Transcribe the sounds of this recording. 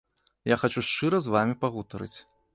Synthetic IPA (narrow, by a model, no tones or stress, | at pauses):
jaxat͡ʃuʂt͡ʂɨɾɐzvamʲipaɣut̪ɐɾɨ̰t͡sʲ